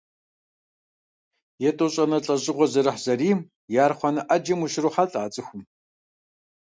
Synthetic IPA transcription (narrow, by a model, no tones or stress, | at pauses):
jɛtʼoɕʼɐnɐɬʼɐɕʼɪʁʷɔzɐɾɨħz̥ɐriːm | jaːrχʷɔnɐʔɐd͡ʒɐmuʃɪruːħaɬʼaːt͡sʼɨxʷʊm